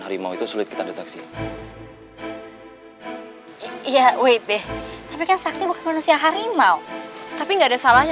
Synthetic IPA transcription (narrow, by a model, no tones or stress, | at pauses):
haɾimawit̪usulɪt̪ki̥t̪adet̪aksi | ijawejt̪ɛht̪apikansak̚t̪ibukɪmanusiaɦaɾimawt̪apiŋɡaːdasalahɲ